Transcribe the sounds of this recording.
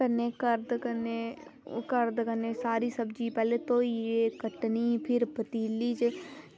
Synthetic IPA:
əneːkəɾd̪kəneːkəɾd̪kəneːsaːɾiːsəbd͡ʒiːpɛːleːt̪õːiːeːkəʈniːpʰɪɾbət̪iːliːt͡ʃ

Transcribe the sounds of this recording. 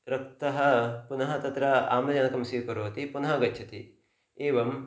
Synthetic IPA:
ɾɐkt̪ɐɦɐpunɐɦɐt̪ɐt̪ɾɐa̰ːmlɐd͡ʒɐnɐkɐmsiʋkɐɾoːɐt̪ipunɐɦɐɡɐtːt͡ʃʰɐt̪ḭ | eːʋɐm

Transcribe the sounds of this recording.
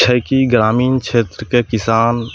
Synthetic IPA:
t͡ʃʰəjkiɡɾaːmiːnkʃʰeːt̪ɾəkekɪsaːn

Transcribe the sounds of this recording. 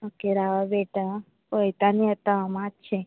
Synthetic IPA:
okeɾaʋabeʈa | pojt̪aniət̪aamãtt͡ʃʰẽ

